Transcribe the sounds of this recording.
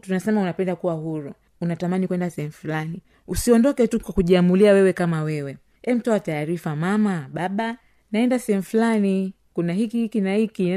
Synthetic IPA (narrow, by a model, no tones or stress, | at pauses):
tunasɛmaunapɛndakuwahuɾu | unatamanikwɛndasɛhɛmufulani | usiɔndɔkɛtukwakuʄiamuliawɛwɛkamawɛwɛ | ɛm̩tɔataːɾifamamaɓaɓa | naɛndasɛhɛmufulani | kunahikihikinahiki